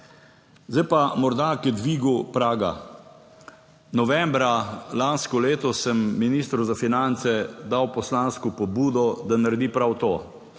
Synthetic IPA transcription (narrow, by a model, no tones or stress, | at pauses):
zd̪ajpamɔɾd̪akɛd̪ʋiːɡupɾaːɡa̰ | nɔʋɛmbɾalanskɔleːt̪ɔsəmːiniːst̪ɾuzafinant̪sɛd̪awpɔslanskɔpɔbuːd̪ɔd̪anaɾɛd̪iːpɾawt̪oː